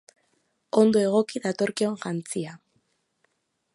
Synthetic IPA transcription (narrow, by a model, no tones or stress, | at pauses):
o̞nd̪o̞e̞ɣ̞o̞kiðat̪o̞ɾkio̞nʝant͡sia